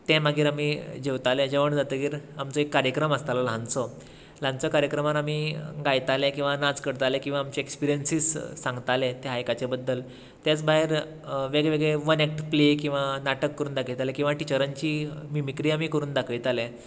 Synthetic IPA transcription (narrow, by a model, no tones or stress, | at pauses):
t̪ɛ̃maɡiːɾamiːd͡ʑeʋt̪aled͡ʑeʋəɳd͡zat̪əɡiːɾamt͡sɔekːaɾjəkɾəməst̪alalɦãnt͡sɔ | lãnt͡sɔkaɾjəkɾəmaɾamiːɡajt̪alekĩw̃ʋanat͡skəɽt̪alekĩw̃ʋaːmt͡ɕeekspiɾijənsiːssãŋɡt̪alet̪eɦajkat͡ɕebəd̪ːəl | t̪jat͡sbaɦeɾ | ʋeɡɭeʋeɡɭeʋənek̚ʈplekĩw̃ʋanaʈəkːəɾuːnd̪akʰəjt̪alekĩʋaʈit͡ɕəɾaɲt͡ɕiːmimikɾiːamiːkəɾuːnd̪akʰəjt̪alẽ